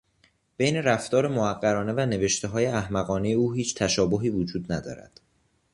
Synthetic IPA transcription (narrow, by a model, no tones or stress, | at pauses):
b̥ejne̞ɾæft̪ɒːɾemoæɡːæɾɒːne̞væne̞ve̞ʃt̪e̞ɦɒːje̞æhmæɣɒːneje̞uːɦiːt͡ʃʰt̪ʰæʃɒːboɦiːvod͡ʒuːd̪næd̪ɒ̰ːɾæ̰d̪̥